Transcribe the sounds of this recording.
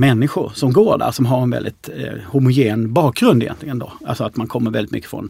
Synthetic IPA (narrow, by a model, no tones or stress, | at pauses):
mɛnːɪɧʊ̰ɾʂɔmɡoːɖæ̰ɾʂɔmɦaɾɛnvɛ̰ld̪ɪt̪hʊmʊjeːnbɑːk̚ɡɾɵnd̪ɪjɛ̰nt̪lɪɡənd̪oa̰lsɔat̪mankʰɔmːəɾvɛlɪt̪mʏ̰kːə̥fɾɔ̰n